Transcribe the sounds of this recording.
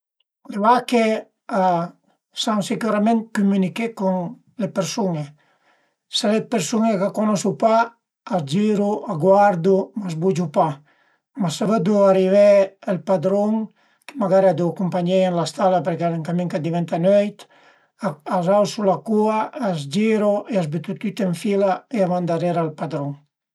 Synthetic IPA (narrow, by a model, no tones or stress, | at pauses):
leβake | a | saŋsikuɾamẽnt̪̚kumynikekuŋ | lepeɾsuŋe | selepeɾsuŋekakonɔsupaː | d͡ʒiɾuaɡwaɾd̪umazbud͡ʒupa | masaβəd̪uaɾivɛelpad̪ɾɔŋ | ke̥maɡaɾiad̪uakumpaɲɛjenlast̪alapeɾkealeŋkamiŋkad̪iβɛnt̪anøjt̪ | aazawsulakuaːzd͡ʒiɾoʔeazbet̪ut̪yt̪eɱfilaeaβand̪aɾeɾalpad̪ɾɔŋ